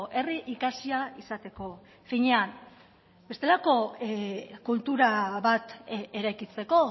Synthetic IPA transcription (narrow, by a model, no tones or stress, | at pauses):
ʔe̞riʔikasiaisat̪e̞ko̞ | fiɲe̞an | be̞st̪e̞lako̞ | kult̪uɾaβat̪e̞ɾajkit͡se̞ko̞